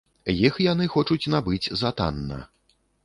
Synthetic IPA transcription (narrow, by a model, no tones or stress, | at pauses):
jixjanɨxɔt͡ʂut͡sʲnabɨt͡sʲzat̪a̰nːɐ̰